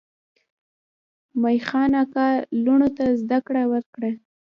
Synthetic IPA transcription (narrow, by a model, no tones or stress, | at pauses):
majxɑnakɑluɳot̪azd̪akɽawəɾkɽa